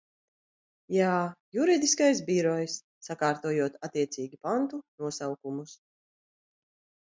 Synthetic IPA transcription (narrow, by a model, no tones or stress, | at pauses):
jaːjuɾid̪iskajs̬biɾɔjsːakaːɾt̪uɔːjuɔt̪at̪iɛt̪siːɡʲipant̪unuɔsawkumus